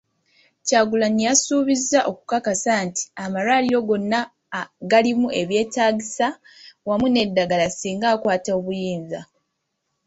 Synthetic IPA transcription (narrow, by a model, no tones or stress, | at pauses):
caːɡulanijasuːβizaʔo̞kukakasaːnti̥amalwalijo̞ɡo̞nːa | ɡalimue̞βje̞ːtaːɟisa | wamune̞dːaɡalasiːŋɡaːkwaːtao̞βujiːnza